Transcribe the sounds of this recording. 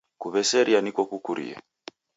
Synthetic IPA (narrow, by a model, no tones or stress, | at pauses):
kuβɛsɛɾianikɔkukuɾḭa̰